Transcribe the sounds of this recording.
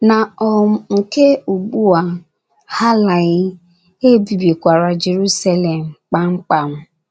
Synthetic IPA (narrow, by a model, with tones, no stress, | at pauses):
na˨ɔ˨m̩˦ŋ̩˨ke˦u˨ɡ͡bu˦a˨ | ha˦la˨ɣɪ˦ | e˦bi˨bi˨kʷa˨ɾa˨d͡ʒe˨ɾu˦sa˦le˨m̩˨k͡pa˦ŋ͡m̩˦k͡pa˨m̩˦